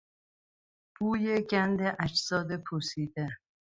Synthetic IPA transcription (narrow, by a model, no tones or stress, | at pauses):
b̥uːjeɟænd̪eʔæd͡ʒsɒːd̪epʰusiːd̪e